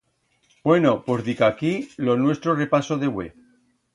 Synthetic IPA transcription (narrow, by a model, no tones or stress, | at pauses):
bwe̞no̞po̞zðikakilo̞nwe̞st̪ɾore̞pasoðewḛ